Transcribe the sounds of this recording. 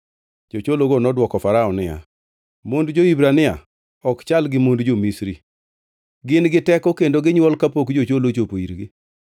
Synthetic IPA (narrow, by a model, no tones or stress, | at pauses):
d͡ʒot͡ʃoloɡonɔdwɔkɔfaɾaɔnɪja̰ | mondd͡ʒoibɾanɪa̰ | ɔkt͡ʃalɡɪmondd͡ʒomisɾi | ɡɪnɡɪtɛkɔkendoɡɪɲwɔlkapokd͡ʒot͡ʃolot͡ʃopoiɾɡɪ